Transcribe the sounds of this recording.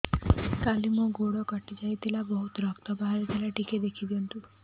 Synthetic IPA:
kalimũɡoɽɔkɔʈid͡ʒajt̪ʰilabɔɦut̪ɾɔkt̪ɔbaɦaɾit̪ʰilaʈiked̪ekʰid̪iɔnt̪u

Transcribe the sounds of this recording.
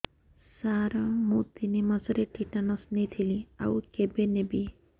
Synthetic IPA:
saɾɔmũt̪inimazɔɾeʈiʈanɔsnet̪ʰilia̰wkebenebi

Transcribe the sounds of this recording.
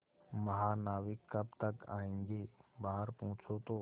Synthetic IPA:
mɐɦaːnaːʋɪkːɐb̚t̪ɐka̰ːẽːŋɡeːbaːɦəɾpɔ̃ɦʊ̃t͡ʃʰot̪oː

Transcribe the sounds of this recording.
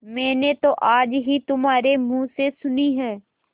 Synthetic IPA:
mɛ̃ːnet̪oːʔaːd͡ʒɦit̪ʊmaːɾemũːsesʊniɦɛ̃ː

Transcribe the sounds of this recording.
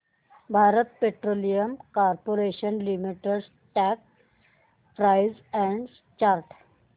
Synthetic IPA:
bʱaɾət̪̚peʈɾolijəmkaɾpoɾeɕənlimiʈeɖs | ʈɛk̚ | pɾajzɛ̃ɳɖ | t͡ɕaɾʈ

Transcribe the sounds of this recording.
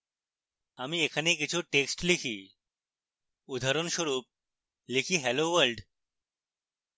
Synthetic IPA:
amiːekʰanek̬it͡ɕʰuʈeksʈlikʰiː | ud̪ʱaɾonɕoɾuːp̚ | likʰiːɦɛloʋəɾlɖ

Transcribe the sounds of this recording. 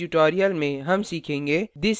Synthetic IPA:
uʈoːɾijəlmẽɦɐmsiːkʰẽːŋɡeːd̪ɪs

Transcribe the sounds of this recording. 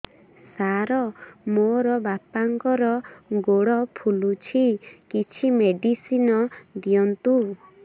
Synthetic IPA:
saɾɔmoɾɔbapaŋkɔɾɔɡoɽɔpʰulut͡ʃʰikit͡ʃʰimeɖisinɔd̪iɔnt̪u

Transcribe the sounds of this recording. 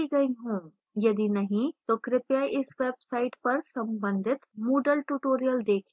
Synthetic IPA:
iɡɐiɦõː | jɐd̪inɐɦĩt̪oːkɾɪpjaːiʔɪsʋeːbsaːɪʈpɐɾsɐ̃mbə̃nd̪ʱɪt̪moːɖəlʈuːʈoːɾijəld̪eːkʰ

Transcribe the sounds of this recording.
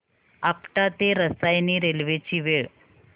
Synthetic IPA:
apʈ̪at̪eɾəsajniɾelʋet͡ɕiːʋeɭ

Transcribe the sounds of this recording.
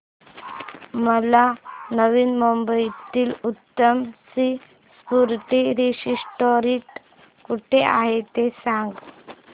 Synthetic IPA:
məlanəʋiːnmombəjt̪iːlut̪ːəmsi | spuɾt̪iɾisisʈoɾiʈ | kuʈʰea̰ɦet̪esãŋɡ

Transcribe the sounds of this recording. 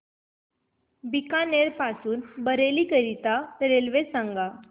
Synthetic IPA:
bikaneɾpasuːnbəɾelikəɾit̪aɾelʋesãŋɡa

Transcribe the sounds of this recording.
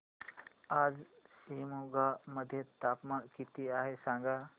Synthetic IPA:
aːd͡ʒ | siːmuɡaməd̪ʱjət̪aːpmãnkit̪iaːɦesãːŋɡa

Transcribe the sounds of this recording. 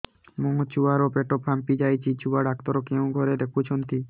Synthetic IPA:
moɦot͡ɕuaɾopeʈopʰampid͡ʑajt͡ɕʰit͡ɕuaɖak̚t̪ɔɾokeũɡʱɔɾed̪ekʰut͡ɕʰont̪i

